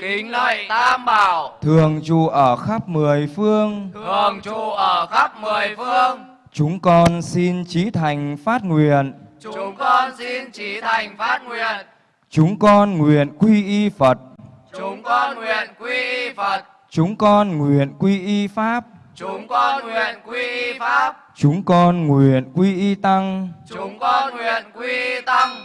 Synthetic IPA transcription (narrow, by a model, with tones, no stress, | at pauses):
ki˨ŋə˨˩t̪ʰa˧mɓaː˧˩wt̪ʰɨ˨˩əŋt͡ɕu˧˨˩ʔəː˧˩xa˦˥p̚mɨ˨˩əjfɨ˧əŋt̪ɨ˨˩əŋt͡ɕu˨˩ʔəː˧˩xa˦˥p̚mɨ˨˩əjfɨ˧əŋ | t͡ɕʊ˨˦ŋ͡mkɔ˧nsi˧nt͡ɕi˨˦t̪ʰa˨˩jŋ̟faː˦˥t̚ŋwḭ˧˨ənʊ˨˦ŋ͡mkɔ˧nsi˧nt͡ɕi˨˦t̪ʰa˨˩jŋfaː˦˥t̚ŋwi˧˨˩ən | t͡ɕʊ˨˦ŋ͡mkɔ˧nŋwḭ˨ənkwi˧ʔi˧fə˨˩t̚ | ʊ˨˦ŋ͡mknwi˨˩ənkwi˧i˧fə˨˩t̚ | t͡ɕʊ˨˦ŋ͡mkɔ˧nŋwi˨˩ənkwi˧ʔi˧faː˦˥p̚ | t͡ɕʊ˨˦ŋ͡mkŋwi˨˩ənkwi˧i˧fa˦˥p̚ | t͡ɕʊ˨˦ŋ͡mkɔ˧nŋwḭ˨˩ənkwi˧ʔi˧t̪a˧ŋʊ˨˦ŋ͡mkɔ˧nŋwi˨˩ənkwi˧t̪a˧ŋ